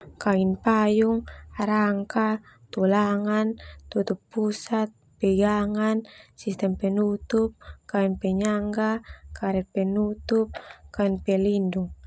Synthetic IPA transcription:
kainpajuŋaɾaŋka | t̪ulaŋant̪ut̪upːusat̪̚pɛɡaŋansist̪ɛmpɛnut̪up̚kainpɛɲaŋɡakaɾɛt̪̚pɛnut̪up̚kainpɛlinduŋ

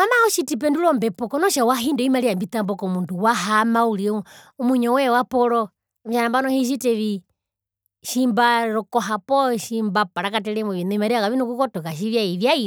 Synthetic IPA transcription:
amahɔʃitip̬ɛnduɾɔmbɛpɔkɔnɔʃawaɦindɛimaɾiambit̪ambɔkɔmunduwaɦamauɾiumuɲɔwɛwapɔɾɔ | m̩ʃanambanɔhiʃ̬iteʋi | ʃimbaɾɔkɔɦapɔʃimbapaɾakatɛɾɛmwɔʋinɔimaɾiakaʋinukukɔtɔkaʃ̬iʋjaiʋjai

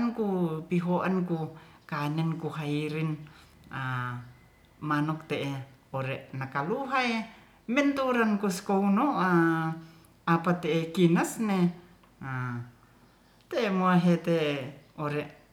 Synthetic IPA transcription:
nkupiɦoʔankukanɛnkuɦaiɾin | a | manɔk̚t̪eʔeoɾeʔnakaluɦae | mɛnt̪uɾankuskounoa | apat̪eekinasne | a | t̪emoaɦet̪eoɾeʔ

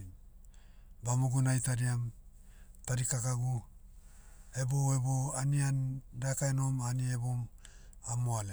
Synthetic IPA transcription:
n | bamuɡunajtaɾiam | taɾikakaɡu | e̞bo̞e̞bo̞aniandakaeno̞manie̞bom | amoale

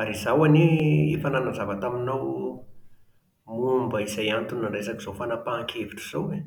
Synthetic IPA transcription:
aɾizawaneefananazavat̪aminaw | mumbəizajant̪unaɳresakiz̥ofanapaːŋkʰeviʈ͡ʂuz̥awwe

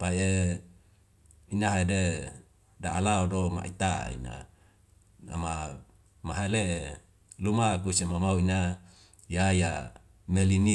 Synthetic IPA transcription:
pae | inaɦede | daʔalaodoma̰ʔḭt̪a̰ḭna̰ | a̰ma | maɦale | lumakusimamauina | jaja | melini

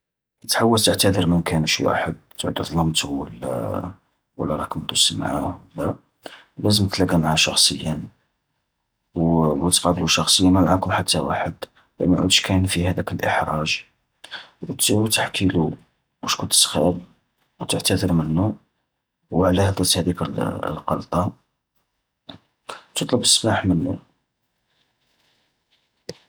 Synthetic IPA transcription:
ʔt̪ħawːəlt̪əʕt̪æd̪əɾmənkænəʃwa̰ħəd̪̚t̪ːʕd̪id̪ˤlɑmt̪uwəlːæ̰ | wə̰lːæɾˤɑkmd̪usmʕawəlːæ | læzəmt̪læɡæmaʕaʃɑxsˤəjːən | wwt̪qɑb̪luʃɑxsˤəjːamamaʕakʊmħat̪ːæwa̰ħəd̪ | læ̰ʔmnʕṵd̪ʃkʰænfihæd̪ækəlʔəħɾˤɑʒ | wt̪t̪əħkʰilu | muʃkʊnt̪sxæ̰b | wt̪əʕt̪æd̪əɾmənːu | wʕlæhəd̪ˤɑt̪hæd̪iklqɑ̰lt̪ˤɑ | t̪ət̪ˤləbəsːbaħmənːṵ

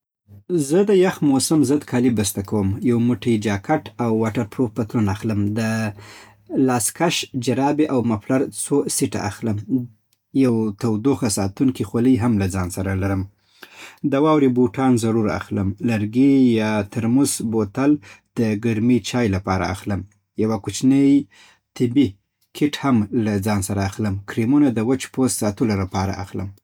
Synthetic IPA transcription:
zəd̪əjaxmosamzəd̪kʰɑlibəst̪akawəmjawmuʈəjd͡ʒɑkaʈawːɑʈaɾpɾopət̪ɾunaxləmd̪ə | lɑskaʃd͡ʒaɾɑbeʔawmaplaɾt͡sosiʈa̰ʔa̰xləm | jawt̪awd̪oxasɑt̪uŋkixoləjɦamlad͡zɑnsaɾalaɾəm | d̪awɑwɾibuʈɑnzaɾuɾa̰xləmlaɾɡejɑt̪aɾmuzbot̪ald̪̥əɡaɾmit͡ʃɑjlapɑɾa̰a̰xləm | jawakut͡ʃnəj | t̪ɪbi | kʰɪʈhamlad͡zɑnsaɾaːxləmkɾimunad̪əwat͡ʃpozsɑt̪əlolapɑɾa̰ʔa̰xlə̰m

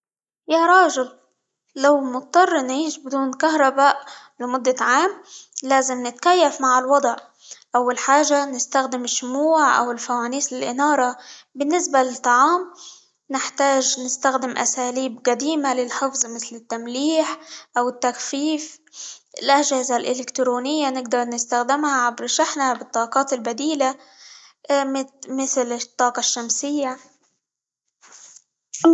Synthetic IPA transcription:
jaɾˤɑːʒɪlː | awmʊt̪̚t̪ˤːɑrˤːnʕiːʃbɪd̪uːnkaɦɾˤɑbaːʔ | lɪmʊd̪ːaʕaːmlaːzɪmnɪt̪kajːafmaʕɪlwɑd̪ˤʕ | ʔawːalħaːʒanɪst̪axd̪ɪmɪʃːʊmuːʕʔa̰wɪlfawaːniːslɪlʔɪnɑːɾˤɑbɪnːɪsbalɪt̪ˤːɑʕɑːm | nɪħt̪aːʒnɪst̪axd̪ɪmʔa̰saːliːbqad̪iːmalɪlħɪfzˤmɪθlɪt̪ːamliːħʔawɪt̪ːakfiːfɪlʔaʒaːzalʔɪlɪkt̪ɾoːnɪjːanɪɡd̪ɑɾˤnɪst̪axd̪ɪmhaʕabɾʃaħnabɪt̪ˤːɑːqɑːt̪ɪlbad̪iːla | mɪθlɪt̪ˤːɑːqɑʃːamsɪjːa

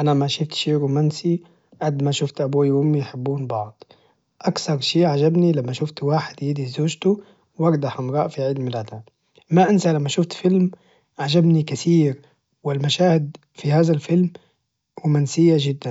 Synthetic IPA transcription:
ʔanamaʃʊft̪ʃiːɾuːmaːnsi | ʕad̪maʃʊft̪ʔabuːjʔʊmːijħɪbːuːnbɑʕd̪̥ˤ | ʔakθɑɾˤʃiːʔʕad͡ʒabnilamːaʃʊft̪waːħɪd̪jiːd̪izoːʒt̪u | wɑɾd̪ɑħʔamɾˤɑːʔfiʕiːd̪mɪlaːd̪a | maʔɪnsalamːaʃʊft̪fɪlm | ʕad͡ʒabnikaθiːɾ | wɪlmaʃaːhɪd̪ | fihaːðalfɪlm | ɾuːmaːnsɪjːad͡ʒɪd̪ːan

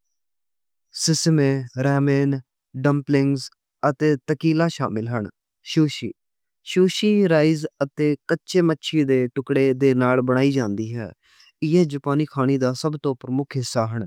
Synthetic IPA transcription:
sɪsmẽːɾɛːmeːn | ɖəmplɪŋɡz | ət̪eːt̪əkiːlaːʃa̰ːmɪlɦəɳ | ʃuːʃiː | ʃuːʃiːɾaːiːzət̪eːkətːʃeːmətːʃʰiːd̪eːʈʊkɽeːd̪eːnaːlbəɽ̃aːiːd͡ʒãːnd̪iːɦɛ̰ː | ɪeːd͡ʒʊpaːniːkʰaːɽ̃iːd̪aːsəbt̪õːpəɾəmʊkʰɦɪsːaːɦəɳ

